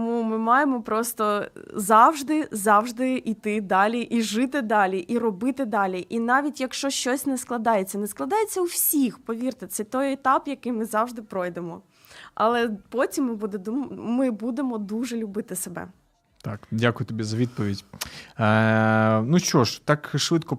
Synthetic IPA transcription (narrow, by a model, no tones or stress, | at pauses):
t̪ɔmumɪmɑjemɔpɾɔst̪ɔzɑwʒd̪ɪzɑwʐd̪ɪit̪ɪd̪ɑlʲiʔiʒɪt̪ɪd̪ɑlʲiʔirɔbɪt̪ɪd̪ɑlʲiʔinɑʋʲitʲjɐkʃt͡ʃɔʃt͡ʃɔsʲnɛsklˠɐd̪ɑjet͡sʲːɐnɛsklˠɐd̪ɑjet͡sʲːɐuwsʲixpɔʋʲirt̪ɪt̪sɛt̪ɔjɛt̪ɑpjɐkɪjmɪzɑwʐd̪ɪpɾɔjd̪emɔ | ʔɐ̰lˠɛpɔtʲimːɪbud̪ɛmɪbud̪emɔd̪uʒɛlʲʊbɪt̪ɪsebɛ̰ | t̪ɑkdʲakʊjʊt̪ɔbʲizɐʋʲid̪̚pɔʋʲidʲ | nuʃt͡ʃɔʃt̪ɑkʃʋɪt̪kɔ